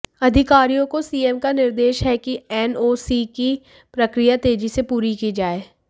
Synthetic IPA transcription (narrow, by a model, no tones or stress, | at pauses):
ɐd̪ʱɪkaːɾijõkosiːɛːmkanɪɾd̪eːʃɦɛkiɛːnoːsiki | pɾəkɾijat̪eːd͡ʒisepuːɾikiːd͡ʒaːeː